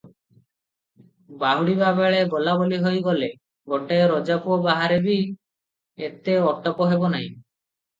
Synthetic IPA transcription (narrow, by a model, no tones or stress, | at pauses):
baɦuɽibabeɭebɔlaboliɦojɡɔle | ɡoʈaeɾɔd͡ʒapuɔbaɦaɾebi | et̪eɔʈɔpɔɦebɔnaɦĩ